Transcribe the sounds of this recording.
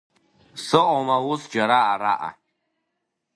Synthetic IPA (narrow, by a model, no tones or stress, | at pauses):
sɨʔɔmawʊsd͡ʒaɾaːɾa̰ʔa̰